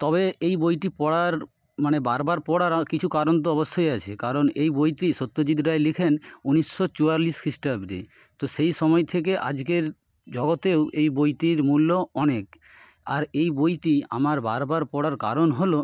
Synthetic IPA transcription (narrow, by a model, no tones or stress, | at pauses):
t̪ɔβeejbojʈipɔɽaɾ | manebaɾbaɾpɔɽaɾkit͡ɕʰukaɾont̪̬oɔbost̪ʰojat͡ɕʰḛkaɾonejbojʈiʃot̪ːod͡ʑid̪ɾaelikʰenunisːot͡ɕuaɾliskʰɾisʈabɖḭ | t̪oʃejʃɔmɔet̪ʰek̬eʔa̰d͡ʑkeɾ | d͡ʑɔɡot̪ewʔejbojʈiɾmulːoɔnek̚ | aɾejbojʈia̰maɾba̰ɾbaɾpɔɽaɾka̰ɾonɦolo